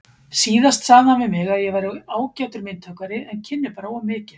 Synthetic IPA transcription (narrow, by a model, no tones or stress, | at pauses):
siːðast̪saɣðanvɪmɪɣaðjɛɣvajɾʏaːwcawt̪ʏɾmɪnt̪ʰœkaɾɪɛncʰɪnːɪpaːɾwʏmɪːcɪn̥